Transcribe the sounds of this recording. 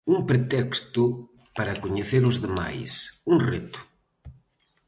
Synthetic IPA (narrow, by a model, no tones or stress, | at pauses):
uŋpɾet̪ɛkst̪ʊ | paɾɐkoɲeθeɾʊzðema̰jsuŋret̪ʊ̥